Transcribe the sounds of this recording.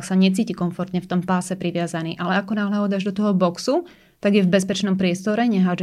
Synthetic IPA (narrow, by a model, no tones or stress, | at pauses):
ksaɲɛt͡siːcikɔɱfɔɾt̪ɲɛft̪ɔmpaːsɛpɾiʋɪazaniːʔalɛakɔnaːɦlaɔd̪aʒd̪ɔt̪ɔɦɔbɔksu | t̪aɡjɛvbɛspɛt͡ʃnɔmpɾɪɛst̪ɔɾɛɲɛɦaːd͡ʒ